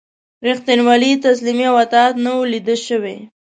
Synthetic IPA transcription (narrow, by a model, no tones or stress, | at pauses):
ɾɪxt̪inwalit̪aslimiawat̪ɑt̪nawolid̪əlʃəwḛ